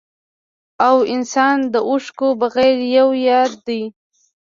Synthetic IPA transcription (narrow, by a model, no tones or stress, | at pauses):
awɪnsɑnd̪əʔʊʂkobaɣajɾjawjɑd̪̚ːaj